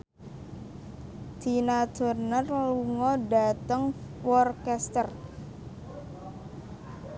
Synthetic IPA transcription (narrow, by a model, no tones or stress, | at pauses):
d̪̥i̤nad̪̥o̤rnərluŋɔdat̪əŋwɔrkɛst̪ər